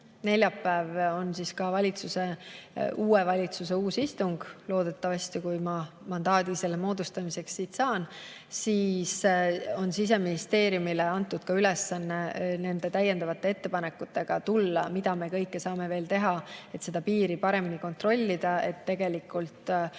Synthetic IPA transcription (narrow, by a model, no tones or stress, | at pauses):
ne̞lʲjɑpːæːvo̞nsiskɑvɑlʲit̪suse̞ | uːevɑlʲit̪suse̞uːsist̪uŋɡ̥lo̞ːd̪̥et̪ːˑɑvɑsʲt̪ikujmɑmɑnd̪̥ɑːd̪̥ise̞lːemo̞ːd̪̥ust̪ɑmise̞ksːiːt̪sɑːn | siːso̞nsis̬e̞minist̪e̞ːɾjumileɑnt̪ːˑud̪̥kɑylesːɑnːe̞ne̞nd̪̥e̞t̪æjːe̞nd̪ɑvɑt̪ˑːe̞e̞t̪ːe̞pɑne̞kːˑut̪ːe̞ɡ̥ɑt̪ulːɑ̰mid̪̥ɑme̞kɤ̞jkːe̞sɑːme̞ve̞ːlt̪e̞ɦɑe̞t̪se̞d̪̥ɑpiːɾipɑɾe̞miniko̞nt̪ro̞lʲːid̪̥ɑe̞̰t̪ːe̞ɡ̥e̞likːˑult̪